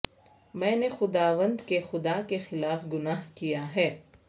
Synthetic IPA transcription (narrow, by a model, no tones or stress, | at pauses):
mɛ̃ːnexʊd̪aːʋə̃nd̪kexʊd̪akexɪlaːfɡʊnaːɦkijaɦɛː